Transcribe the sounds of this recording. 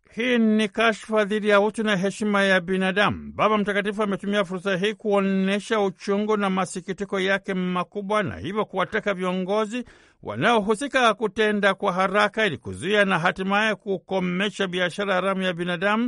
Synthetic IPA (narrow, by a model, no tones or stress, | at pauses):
hiːnikaʃfaðiɗijautunaɦɛʃimajabinaɗamuɓaɓam̩takatifuamɛtumiafuɾsaɦiːkuɔnɛʃaut͡ʃuŋɡunamasikitikɔjakɛmakuɓwana̰hivjɔkuwatakaviɔŋɡɔzi | wʔa̰naɔɦusikakutɛndakwaɦaɾakailikṵzuianaɦatimajɛkukɔmɛʃaɓiaʃaɾahaɾamujabinaɗamu